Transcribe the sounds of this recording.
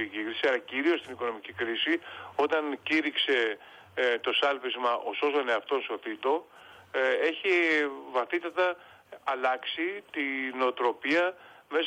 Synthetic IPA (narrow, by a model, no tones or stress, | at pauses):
cikɾisiɐlɐciɾiost̪iniko̞no̞micikɾisio̞t̪ɐnciɾikse̞ | t̪o̞sɐlpizmɐʔo̞so̞st̪one̞ɐft̪o̞nso̞θit̪o̞ | e̞çivɐθit̪ɐt̪ɐː | lɐksit̪ineot̪ɾo̞piɐme̞s